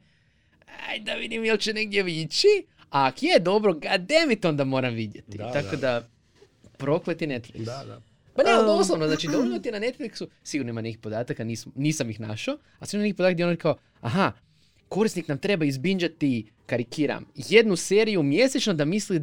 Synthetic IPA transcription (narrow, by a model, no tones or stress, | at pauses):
a̰jd̪aʋid̪imjelˠt͡ɕene̞ɡ̚d̪je̞ʋit͡ʃi | aːkjed̪o̞bɾoɡad̪e̞mit̪ond̪amo̞ːɾamʋid̪jet̪it̪akod̪a | pɾo̞klet̪inet̪flḭks | paneooslˠoʋnoznat͡ʃid̪auet̪inane̞t̪fliksusiɡuɾnoimanekipo̞d̪aːt̪akaniːsmniːsamjixna̰ʃo | asiɡuɾnonekipoat̪k̚d̪jeɾikao | a̰ɦa | ko̞ɾist̪niknamt̪ɾe̞baizbiɲd͡ʒat̪i | kaɾikiːɾa̰mje̞d̪nuse̞ːɾijumje̞set͡ʃnod̪amisli